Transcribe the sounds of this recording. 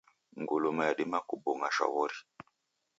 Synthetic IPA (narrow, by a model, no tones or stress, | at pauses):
ŋɡulumaaɗimakubɔŋaʃa̰βɔɾi